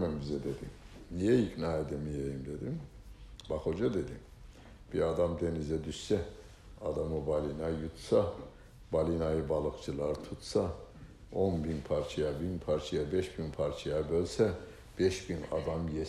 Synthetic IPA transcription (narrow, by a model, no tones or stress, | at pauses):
mæmbizɛd̪e̞d̪imnijɛiknaːed̪ɛmijejimd̪e̞d̪imbakho̞d͡ʒad̪e̞d̪im | b̥iad̪amd̪e̞nizɛd̪yʃsɛ | ad̪amɯbalʲinajut̪sa | balʲinajɯbalˠɯkt͡ʃʰɯlˠaɾt̪ʰut̪sa | onbinpʰaɾt͡ʃʰajabinpʰaɾt͡ʃʰajabɛʃbinpʰaɾt͡ʃʰajabølʲsɛ | b̥ɛʃbina̰d̪amje